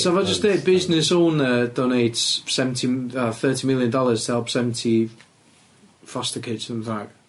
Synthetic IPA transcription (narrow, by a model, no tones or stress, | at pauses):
soʊɪvaɪd͡ʒʌsdɛb̥ɪznɪsõːnəd̥oːneɪtsɛvəntʰiəθɜˑtʰimɪlˠjə̃ndɒlˠəz̥tʰəhɛlˠpsɛvə̃n̩tʰi | fɒstəkʰɪdsə̃nθak̚